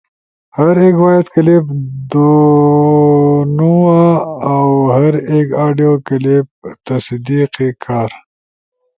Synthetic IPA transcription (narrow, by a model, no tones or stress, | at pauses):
hɐɾeːkwajet̪kəlebd̪o | nuaːwhɐɾekaːɖijokəleb̚t̪ɐsd̪iːqekʰaːɾ